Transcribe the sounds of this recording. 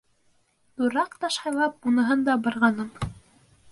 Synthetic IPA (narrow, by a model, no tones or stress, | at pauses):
t̪uɾɑqt̪ɑʃhɑjlˠɑp̚unɤ̆ɦɤnd̪ɑbɑɾʁɑnɤm